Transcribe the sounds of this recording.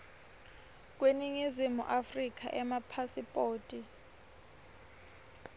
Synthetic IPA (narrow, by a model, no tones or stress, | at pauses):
k̬ʼweniŋizimṵʔafrik̬ʰʼaʔɛmapʰasipʼoːtʼi